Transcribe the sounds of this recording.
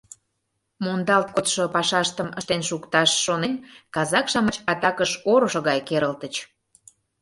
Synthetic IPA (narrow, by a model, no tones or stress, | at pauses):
mond̪ɑlt̪̚kot̪ʃopɑʃɑʃt̪əməʃt̪enʃukt̪ɑʃːonenkɑzɑkʃɑmət͡ɕɑt̪ɑkəʃoɾoʃoɣɑjkeɾəlt̪ət͡ɕ